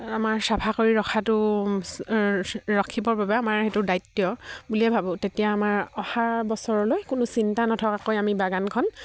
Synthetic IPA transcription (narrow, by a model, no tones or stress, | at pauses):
amaɹsapʰakoɹiɹɔkʰatʊ | ɹɔkʰibɔɹbabɛamaɹxetʊdajtːjɔbuliɛbʱabɔ̃tetijaːmaɹɔhabɔsɔɹɔlojkʊnʊsintanɔtʰɔkakojamibaɡankʰɔn